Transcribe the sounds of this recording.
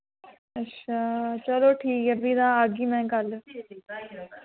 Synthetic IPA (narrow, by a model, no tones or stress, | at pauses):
ətːʃʰaːt͡ʃəloːʈʰiːkəbʱid̪aːaːɡiːmɛ̃ːkəl